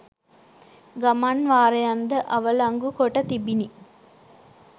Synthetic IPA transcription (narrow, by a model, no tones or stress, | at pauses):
ɡamanʋaːɾejand̪əʔɐʋəlaŋɡukoʈət̪ibini